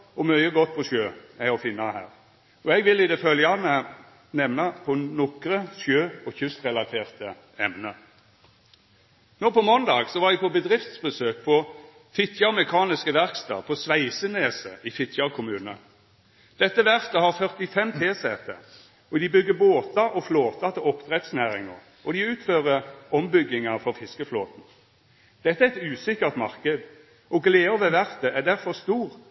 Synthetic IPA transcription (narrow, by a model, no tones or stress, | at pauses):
ɔmœʏəɡɔt̪ːpʰɔsjøːæɪɔfɪnːɑhæ̰ːʁ | ɔɛɡʋɪlɪd̪ɛfœljəɑːʋmɛ | nɛmnɑpʰɔnɔkɾəsjøːɔçʉst̪ʁɛlɑt̪ʰeːʁt̪ə | ɛmnə | noːpɔmɔnd̪ɑːɡsɔʋɑːd̪ɪpʰɔbəd̪ʁɪft̪sbəsøːk̚pʰɔ | fɪt̪ʰjɑmɛkʰɑːnɪskəʋæʁkst̪ɑ̰ːpʰɔsʋæɪsəneːsə̰ʔɪfɪt̪ʰjɑkʰʊmʉːnə̰ | d̪̥ɛt̪ːəʋæʁt̪əhɑʁfœʁt̪ɪfɛmpʰeːsɛt̪ə̰ | ɔd̪ɪbʏɡːəboːt̪ɑʔɔfloːt̪ɑt̪ʰɪlɔpd̪ʁɛt̪snæːʁɪ̰ŋɑ̰ʁ | ɔd̪ɪʉːt̪føːʁəɔmbʏɡːɪŋɑfɔʁfɪskəfloːt̪n̩ | d̪̥ɛt̪ːæɛt̪ʉːsɪkːəʁt̪mɑʁkəd̪ | ʔɔɡleːɔʋɛʋæʁt̪əʔæʁd̪æʁfɔʁst̪uːʁ